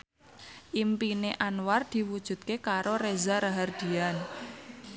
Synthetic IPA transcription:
ʔimpineʔanward̪̥i̤wud̥ʒ̥ṳt̪̚kekaɾoɾezaɾaɦard̪̥i̤an

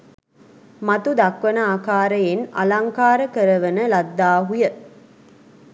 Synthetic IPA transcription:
mat̪ud̪akʋənəaːkaːɾəjena̰laŋkaːɾəkəɾəʋənəlad̪ːaːɦujə

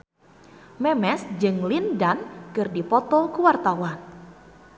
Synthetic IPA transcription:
mɛmɛsd͡ʒɨŋlindankɨrdipɔt̪ɔkuwart̪awan

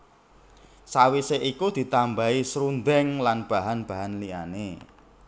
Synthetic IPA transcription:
sawiseʔikud̪̥i̤t̪ambaisɾund̪ɛŋlanb̥a̤ɦanb̥a̤ɦanlia̰ne

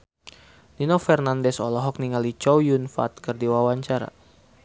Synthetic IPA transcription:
ninɔfɛrnandɛsɔlɔɦɔk̚niŋalit͡ʃɔwjunfa̰t̪̚kɨrdiwawaɲt͡ʃaɾa̰

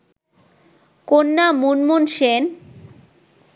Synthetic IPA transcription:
konːamunmunʃen

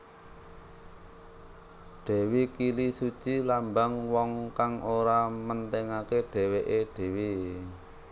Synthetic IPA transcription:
ɖ̥e̤wikilisu̥t͡ʃilambaŋwɔŋkaŋoɾamənt̪ɛŋakeɖ̥ɛ̤weʔeɖ̥e̤wi

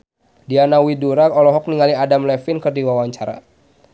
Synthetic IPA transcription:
dianawiduɾakɔlɔɦɔk̚niŋaliadamlɛfinkərdiwawaɲt͡ʃaɾa̰

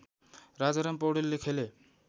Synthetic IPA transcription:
ɾad͡zaɾampɔwɽelːekʰele

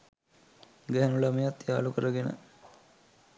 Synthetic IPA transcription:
ɡæɦænulamejat̪ːjaːlukəɾəɡenə̰

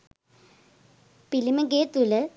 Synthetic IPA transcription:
pilimɐɡeːt̪ulə

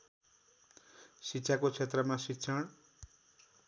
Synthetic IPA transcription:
sitːsʰakot͡sʰet̪rʌmasitːsʰʌɽ̃

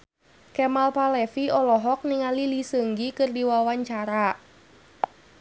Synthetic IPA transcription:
kɛmalpalɛfiɔlɔɦɔk̚niŋalilisəŋɡikɨrdiwawaɲt͡ʃaɾa

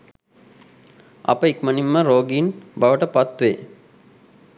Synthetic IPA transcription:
ɐ̰pəikmɐnimːəɾoːɡiːnbɐʋəʈəpɐt̪ʋeː

